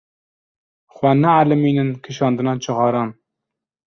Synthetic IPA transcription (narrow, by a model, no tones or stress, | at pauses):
xwɛnɛalɨmiːnɨnkʰɨʃɑːnd̪ɨnɑːt͡ʃʰɨɣɑːɾɑːn